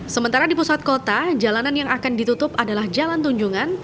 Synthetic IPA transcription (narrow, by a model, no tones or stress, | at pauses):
səmənt̪aɾadipusat̪̚kot̪ad͡ʒalananjaŋakandit̪ut̪ʊpadalahd͡ʒalant̪uɲd͡ʒuŋan